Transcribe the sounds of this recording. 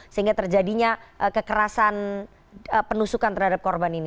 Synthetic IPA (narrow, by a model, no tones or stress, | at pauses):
səɦiŋɡat̪ərd͡ʒadiɲaʔəkəkəɾasan | əpənusukant̪ərɦadap̚kɔrbanini